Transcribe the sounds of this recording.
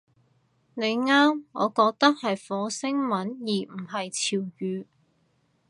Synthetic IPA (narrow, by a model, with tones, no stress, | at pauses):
ne˨˧jŋaː˥mŋɔ̰ː˨˧kɔː˧k̚t̪ɐ˥k̚hɐ˨jfɔː˨˧sɪ˥ŋmɐ˨˥njiː˨˩m̩˨˩ɦɐ˨jt͡sʰiː˨˩wjyː˨˧